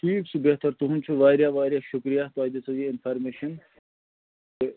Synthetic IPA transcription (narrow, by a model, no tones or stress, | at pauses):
ʈʰiːpsbeɦt̪ɐɾt̪uɦunt͡ʃʰuʋaːɾjaːʋaːɾjaʃʊkɾijaːt̪oaːd̪et͡sɐjeɪnpʰaːɾmeʃɐn | e